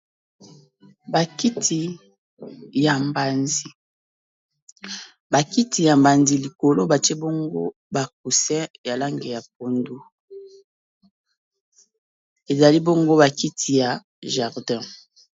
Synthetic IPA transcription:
ba˨ki˦tʰi˨ | ja˨mba˨nzi˨ | ba˨ki˦ti˨ja˨mba˨nzi˨li˨ko˨lo˦ba˨tɛ˦bo˦ŋɡo̰˦ | ba˨k̚u˨sɛ̃˦ja˨la˦ŋɡe˨ja˨p̚o˨ndu˦ | e˨za˨li˦bo˦ŋɡo˦ba˨ki˦tʰi˨ja˨ | ʒa˨ʁdɛ̃˦

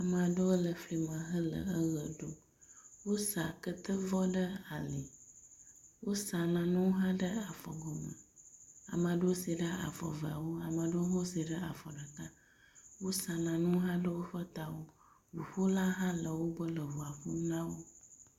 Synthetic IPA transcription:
a˨mə˨a˨ɖə˦wo˦lə˨fli˨mə̃˨ɦə˦lə̰˨ə˦ɣə˨ɖo˦ | wo˦sa˨kə˦t̪ə˦vɔ˦ɖə˦a˨li˨ | wo˦sa˨nã˨nũ˦ɦã˦ɖə˦a˨fɔ̰˨ɡɔ˨mə̰˨a̰˨m˨a˨ɖə˦wo˦si˨ɖə˦a̰˨fɔ̰˨və˨a˨wo˦a˨ma˨ɖə˦wo˦ɦõ˦si˨ɖə˦a˨fɔ˨ɖə˨ka˦ | wo˦sa˨nã˨nũ˦ɦã˦ɖə˦wo˦ɸə˦t̪a˨wo˦ | wu˨ɸo˦la˦ɦã˦lə˨wo˦bə˦lə˨vu˨a˨ɸu˦nã˦wo˦

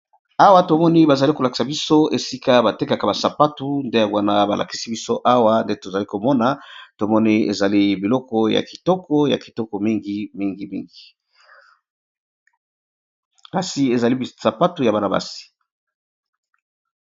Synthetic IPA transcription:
a˦wa˦to˨mɔ˦ni˦ba˨za˨li˦ko˨la˨ki̥˨sa˨bi˦so˦e˨si˦ka˦ba˨te˦ka˨ka˨ba˨sa˨pa˦tu˨nde˦ja˨ɡwa˨na˨ba˨lʔa̰˨ki̥˦si˦bi˦so˦ʔa˦wa˦nde˦to˨za˨li˦ko˨mɔ˦na˨to˨mɔ˦ni˦ḛ˨za˨li˦bi˨lɔ˦kɔ˦ja̰˨ki̥˨tɔ˦kɔ˦ja̰˨ki̥˨tɔ˦kɔ˨mi˦ŋɡi˦mi˦ŋɡi˨mḭ˦ŋɡi˨ | ka˨si˨e˨za˨li˦˨sa˨pa˦tu˨ja˨ba˦na˨ba̰˨si̥˨

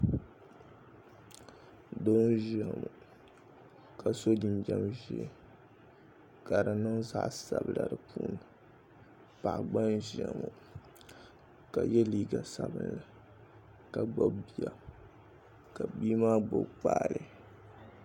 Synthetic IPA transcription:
do˦n˦ʒɪ˦˨mu˨ | ka˨so˦di˨nd͡ʒa˦mʒi˨˦ɛ˦ | ka˨ɾɨ˨nɨ˦ŋza˦ʔsa˨bɨ˨la˨dɨ˨pʰuː˨˦nɨ˨ | pa˨ʔɡ͡ba˦nʒɛ˨mu˨ | ka˨jɛ˦liː˦ɡa˨sa˦bɨ˦nla˨ | ka˨ɡ͡bo˦bbi˦a˨ | ka˨biː˦maː˦ɡ͡bʊ˦bk͡paː˦˨lɨ˦

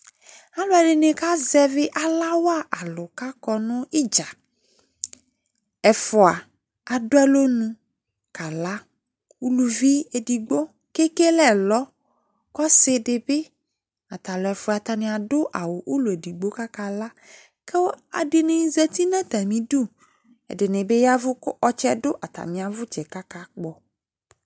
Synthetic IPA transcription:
a˦lʊ˦a˨ɖɪ˨nẽ˨ka˦zɛ˦vɪ˦ʔa˨la˦wa˦ʔa˨lʊ˨ka˦kɔ˨nʊ̃˦ɪ˦d͡ʒa˨ | ɛ˨fʊ˨a˨ | a˨dʊ˦ɛ˦lo˦nũ˦ | ka˨la˦ | u˦lu˨vi˦e˨di˨ɡ͡bo˦ | ke˦ke˦lɛ˨lɔ˦ | kɔ˦sɪ˦dɪ˨be˦ | a˨t̪a˨lɔ˨ɛ˨fʊ˨a˨t̪a˨nẽ˨a˨dʊ˦ʔa˨wo˨ʔu˦lu˨e˨di˨ɡ͡bo˦ka˦ka˦la˦ | ke˦wo˦a̰˨dɪ˨nẽ˨˦zɛ˦t̪i˦nã˦t̪a˨mĩ˨du˦˨ | ɛ̰˨dɪ˨nẽ˨be˦ja˦vʊ˦kʔɔ˦t͡ʃɛ˦dʊ˦ʔa˨t̪a̰˨mĩ˨a˨vʊ˦t͡ʃɛ˨ka˦ka˦k͡pɔ˨

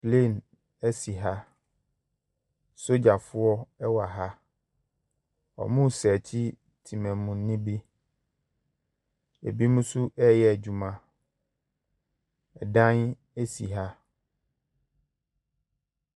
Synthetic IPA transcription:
ple˦˨n | ɛ˦si˨ɦa˦ | so˦d͡ʑa˨fʊ˦ɔ˦ɛ˦wa˨ɦa˦ | ɔ̰˨mũ˦˨sɛ˨t͡ɕʰi˦ | tʰi˨mɛ̃˨mʊ̃˨nː˦ɪ̃˦bi˦ | ḛ˨bi˦mũ˦su˦ʔɛ˦jɛ˦æ˨d͡ʑᶣu˨mã˦ | ɛ˨dã˦n | e˦si˨ɦa˦

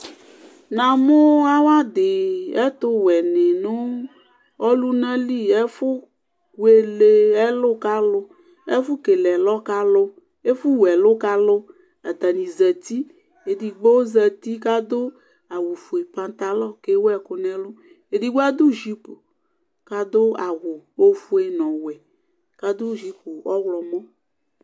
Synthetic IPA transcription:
nã˨mʊ˦a˦wa˦d̪ɪ˨ɛ˦t̪ʊ˦wɛ˨ne˨nʊ˦ | ɔ˦lu˦nã˦li˦˨ɛ˦fʊ˦ | e˨le˨ɛ˦lʊ˦ka˦lʊ˦ | ɛ̰˦fʊ˦ke˨lɛ˨lɔ˦ka˦lo˦ | e˦fʊ˦wɛ˨lʊ˦ka˦lʊ˦ | a˨t̪a˨nĩ˨zɛ˨t̪i˦ | e˨di˨ɡ͡bo˦zɛ˨t̪i˦ka˦d̪o˦ | a˨wo˨fu˨e˨pa˨nt̪a˨lɔ˦ke˦wɛ˨ko˨nɛ̃˦lu˦ | e˨di˦ɡ͡ba˦d̪u˦ʒi˦po˨ | ka˦d̪o˦a˨ɣo˨wo˦fu˦e˨nɔ̃˨wɛ˨ | ka˦d̪o˦ʒi˦po˨ɔ˦wlɔ˨mõ˦

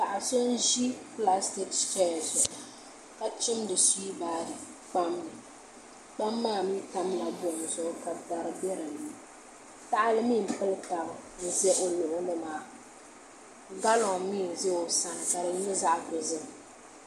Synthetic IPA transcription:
ta˨ʔa˨so˦n˦ʒi˦pla˦stɪ˦ksfɛ˦˨zʊ˨ | ka˨t͡ʃɪ˦mdɨ˨si˦i˦baː˦dɨ˨ | k͡pa˦mnɨ˨ | k͡pa˦mːaː˦˨mi˦ta˦m˦a˨bʊ˦˨m˨zʊ˦ʔka˨ta˨ɾɨ˦bɛ˦ɾɨ˨nɨ˨˦ | ta˦ʔa˦lɨ˦mi˦˨m̩˨pɨ˦lta˨ɣʊ˨n̩˨zɛ˦ʔo˨lʊ˨ʔʊ˦nɨ˦maː˨ | ŋ̩˨ɡa˦lɔ˨ŋ˨mi˦˨n˨zɛ˦o˨sa˦n˨ka˨ɾɨ˨˦nɪ˦za˦ʔkʊ˨zɨ˦m˨

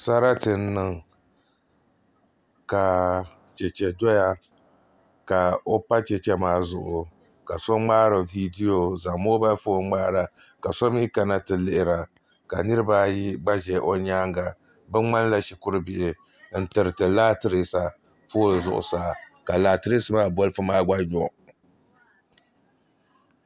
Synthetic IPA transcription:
sa˦ɾa˦tɨ˨n̩˦nːɨ˨ŋ | ka˨ | t͡ʃɛ˨t͡ʃɛ˨dɔ˦ja˦ | ka˨o˦pa˦t͡ʃɛ˨t͡ʃɛ˦maː˦zʊ̰˨ʔʊ˨ | ka˨so˦ŋ͡maː˦ɾɨ˨vi˦di˦jo˨za˨mo˦ba˦foː˦ŋ͡maː˦ɾa˨ | ka˨so˦mː˦ka˨na˦tɨ˨lɪ˦ʔɪ˨ɾa˨ | ka̰˨nɨ˦ɾɨ˦baː˦ji˦ɡ͡ba˦ʒɛ˨ʔo˦ɲaː˦ŋɡa˨ | bɨ˦ŋ͡ma˦nla˦ʃi˨kʊ˦ɾɨ˦bɪ˨ʔɪ˨ | n̩˦tɨ˨ɾɨ˨tɨ˨laː˦tɨ˦ɾi˦sa˨ | foː˦˨zʊ̰˨ʔʊ̰˨saː˨ | ka˨laː˨tɨ˦ɾi˦sɨ˨˦maː˦bɔ˦lɨ˦fɨ˦maː˦ɡ͡ba˦ɲɔ˨

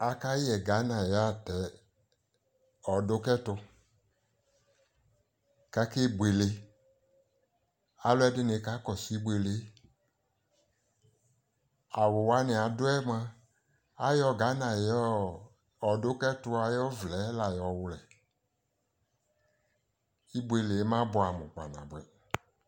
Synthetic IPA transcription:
a˧ka˦jɛ˨ɡa˨˦nã˨ja˦˨tɛ˨˦ | ɔ˨dʊ˦kɛ˦tʊ˧ | ka˨˦ke˦ɡ͡bʷe˨le˧ | a˨˦lʊ˦ɛ˦dɪ˦nɪ˧˦ka˨˦kɔ˨si˨˦ɡ͡bʷe˨le˨˦ | a˨wʊ˨wa˦nɪ˨a˨dʊ˦ɛ˦mã˧ | a˨˦jɔ˧ɡa˨˦na˨jɔ˦ | ɔ˨dʊ˦kɛ˦tʊ˧a˨jɔ˦vlɛ˨˦la˨jɔ˨wʊ˧lɛ˨ | i˦bʷe˧le˨˦mã˦bʊ˧˦a˨mʊ˨k͡pa̰˨nã̰˨bwɛ˨

